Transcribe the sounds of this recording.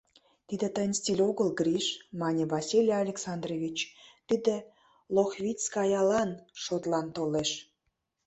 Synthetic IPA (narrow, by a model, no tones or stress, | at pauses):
t̪id̪ĕt̪ənʲst̪ʲilʲoɣəlɡrʲiʃmɑnʲevɑsʲilʲjeɑlʲeksɑnd̪revʲit͡ɕt̪id̪e | loxβʲit͡skɑjɑlɑnʃot̪lɑnt̪oleʃ